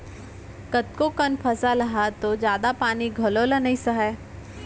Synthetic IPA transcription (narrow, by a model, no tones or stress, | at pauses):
kɐt̪kokɐnpʰɐsalɐɦat̪od͡ʒjaːd̪apaːniɡʱɐloːlɐnɐisɐɦɛː